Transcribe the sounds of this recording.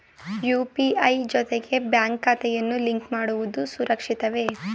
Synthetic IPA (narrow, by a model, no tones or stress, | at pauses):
juːpiɐjd͡ʒɔt̪eɡe̞bjaːŋkːaːt̪ɛjɐnːuliŋkmaːɽuʋud̪usuɾʔɐkʂit̪ɐʋe̞